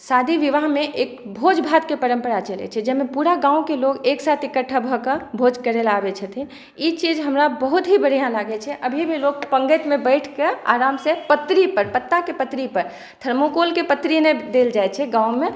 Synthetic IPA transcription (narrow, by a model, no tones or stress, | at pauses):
sad̪ʱiʋiʋaɦmeʔekbʱod͡ʒbʱat̪̚kepəɾəmpəɾat͡ʃəlɛ̰t͡ʃʰɛd͡ʒɛmepuɾaɡãũkeloɡeksat̪ʰikəʈʰːəbʱɔkəbʱod͡ʒkəɾelabɛt͡ʃʰət̪ʰi | it͡ʃid͡ʒɦəmɾabəɦut̪ɦibəɽ̤ijãlaɡɛt͡ʃʰɛʔəbʱibʱilok̚pə̃ŋɡəʈ̪mebəɪʈʰkea̰ɾamsẽpət̪ːɾipəɾpət̪ːakepət̪ɾipəɾ | t̪ʰəɾmokolkepət̪ɾined̪eld͡ʒajt͡ʃʰɛɡãũme